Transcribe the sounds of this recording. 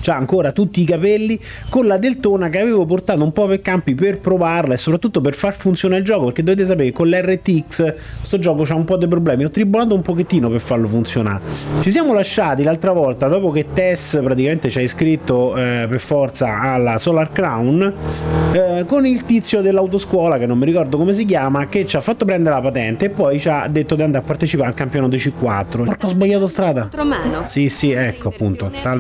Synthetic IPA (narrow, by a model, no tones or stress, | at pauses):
t͡ʃaːŋkoːɾat̪ut̪ːiːkapɛlːi | konlad̪elt̪oːnakeaveːvoport̪aːt̪oumpɔpekːampiperpɾovarlaesːopɾat̪ːut̪ːoperfarfunt̪sjoːnaild͡ʒɔːkopeɾk̟ed̪ːoveːt̪̬es̬apeːɾekːonlɛrːet̪ːiksst̪od͡ʒɔːkot͡ʃaumpɔd̪ːep̬ɾoblɛːmiɔt̪ːɾibonaːt̪̬oumpoket̪ːiːnoperfarlofunt̪sjona̰ːɾt͡ʃisjaːmolaʃːaːt̪ilalt̪ɾavɔlt̪ad̪ɔːpoket̪ːɛspɾat̪ikament̪et͡ʃaiskɾit̪ːoperfɔrt̪saalːasɔlarkɾawn | konilt̪it̪sːjod̪elːawt̪̬oskwɔːlakenːomːiɾikɔrd̪okomes̬ik̬jaːmak̟et͡ʃːafːat̪ːopɾɛnd̪eɾelapat̪ɛnt̪eːpːɔjt͡ʃad̪ːet̪ːod̪iand̪apːart̪et͡ʃipaɾalkampjɔːnod̪et͡ʃikːwa̰t̪ːɾoɾt̪ɔzbaʎːaːt̪ost̪ɾaːd̪aomɛnosisiɛkːoapːunt̪osa